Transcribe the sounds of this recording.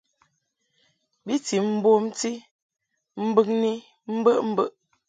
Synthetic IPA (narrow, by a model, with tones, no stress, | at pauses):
bi˦ti˨m̩˦bo˦mti˦ | m̩˦bə˦ŋni˦ | m̩˦bə˦ʔm̩˦bə˦ʔ